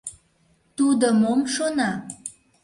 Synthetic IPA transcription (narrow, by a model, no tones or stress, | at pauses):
t̪ud̪əmomʃonɑ